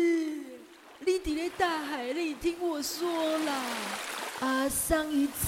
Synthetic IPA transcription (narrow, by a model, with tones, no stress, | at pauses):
li˦t̪i˨le˦t̪a˥˩xa˨˩ɪli˥˩˨t̪ʰi˦ŋwɔ˥˧swɔ˦la˧˩ | a˧˩sa˥˦ŋy˧˦t͡s